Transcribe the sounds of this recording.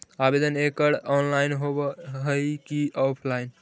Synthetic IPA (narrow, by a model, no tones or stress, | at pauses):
abed̪ənekəɽɔnlaɪnɦobɦəjkiɔpʰlaɪn